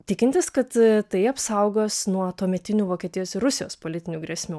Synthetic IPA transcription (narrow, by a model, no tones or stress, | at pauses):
t̪ʲɪkʲɪnt̪ʲɪskɐt̪t̪ɐɪɐpsɐʊɡoːsnuɔt̪uɔmʲɛt̪ʲɪnʲuːʋoːkʲiɛt̪ʲɪjoːsɪɾʊsʲɪjo̰ːspoːlʲɪt̪ʲɪnʲuːɡɾʲɛsʲmʲuː